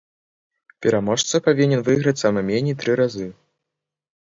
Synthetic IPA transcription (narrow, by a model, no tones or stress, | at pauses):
pʲɛɾamɔʂt̪sɐpavʲinʲɛnvɨɣɾɐt͡sʲsamɛmʲenʲit̪ɾɨɾazɨ